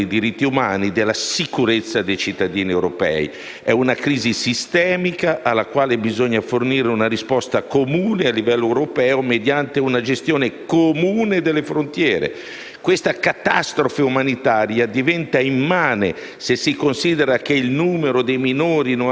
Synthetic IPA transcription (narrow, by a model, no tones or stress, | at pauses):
jd̪iɾit̪ːiumaːnid̪elːasikuɾet̪sːad̪ejt͡ʃit̪ːad̪iːniɛwɾopɛ̰ːḭ | ɛunakɾiːzisist̪ɛːmikaʔalːakwaːlebizoɲːaforniːɾeunaɾispɔst̪akomuːnealːivɛlːoewɾopɛːomed̪jant̪eunad͡ʒest̪joːnekomuːned̪elːefɾont̪jɛːɾḛ | kwest̪akat̪ast̪ɾofeumanit̪aːɾjad̪ivɛnt̪aimmaːne | sesikonsid̪eɾak̟eilnuːmeɾod̪ejminoːɾin